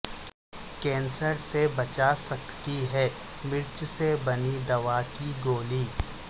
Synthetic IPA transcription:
kɛ̃ːnsəɾsebɐt͡ʃasɐkt̪iɦɛː | mɪɾt͡ʃsebɐnid̪ɐʋakiɡoːliː

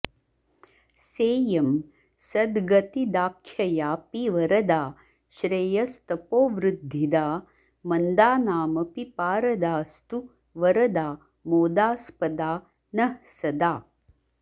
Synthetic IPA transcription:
seːjɐm | sɐd̪ɡɐt̪id̪aːkʰːjɐjaːpiʋɐɾɐd̪aː | ʃɾejɐst̪ɐpoːʋɾud̪ʱːid̪aː | mɐnd̪aːnaːmɐpipaːɾɐd̪aːst̪u | ʋɐɾɐd̪aː | moːd̪aːspɐd̪aː | nɐhsɐd̪aː

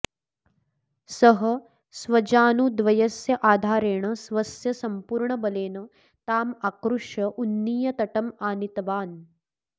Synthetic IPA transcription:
sɐɦɐ | sʋɐd͡ʒaːnud̪ʋɐjɐsjɐʔaːd̪ʱaːɾeːɳ̃ɐsʋɐsjɐsɐmpuːɾɳɐbɐleːnɐ | t̪aːmakɾuʂjɐʔunːiːjɐt̪ɐʈɐmaːnit̪ɐʋaːn

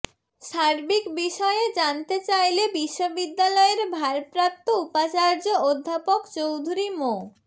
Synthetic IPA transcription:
ʃaɾbikbiʃɔeed͡ʑant̪et͡ɕajlebiʃːobid̪ːalɔeɾbʱaɾpɾap̚t̪oupat͡ɕaɾd͡ʑood̪ʱːapokt͡ɕowd̪ʱuɾimo

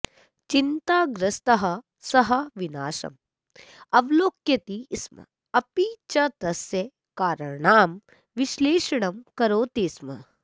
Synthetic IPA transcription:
t͡ʃint̪aːɡɾɐst̪ɐɦɐ | sɐɦɐʋinaːʃɐ̰m | ɐʋloːkjɐt̪ismɐ̰ | ɐpiːt͡ʃɐt̪ɐsjɐ | kaːɾɐɳaːm | ʋiʃleːʃɐɳɐmkɐɾoːt̪ismɐ

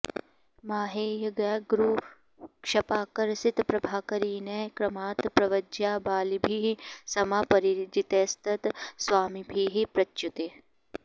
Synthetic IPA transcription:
maːɦeːjɐɡaɡɾuː | kʃɐpaːkɐɾsit̪pɾɐbʱaːkɐɾiːnɐkɾɐmaːt̪pɾɐʋɐd͡ʒjaːbaːlibʱiːɦisɐmapɐɾiɾd͡ʒit̪eːst̪ʰɐt̪sʋaːmibʱiːɦipɾɐt͡ʃːut̪e

